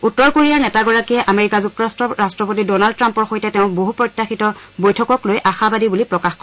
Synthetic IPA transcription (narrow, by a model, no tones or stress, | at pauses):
utːɔɹkoɹijaɹnɛtaɡɔɹakijɛʔameɹikazuk̚tɔɹastɹɔɹastɹɔpotidɔnald̚tɹampɔɹxojtɛtɛʊ̃boɦupɹɔjtːaxitɔ | bojtʰɔkɔklojʔaxabadibulipɹɔkaxkɔ